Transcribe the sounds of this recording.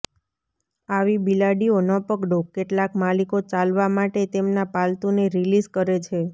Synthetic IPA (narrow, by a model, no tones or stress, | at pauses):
aʋibilaɖionəpəɡɖokeʈlakmalikot͡ʃalʋamaʈet̪emnapalt̪uneɾilizkəɾet͡ʃʰe